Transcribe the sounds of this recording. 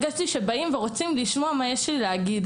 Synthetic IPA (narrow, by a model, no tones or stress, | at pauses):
ɡaʃtiʃe̞baimveʁo̞t͡simliʃmo̞amajeʃelileaɡid̪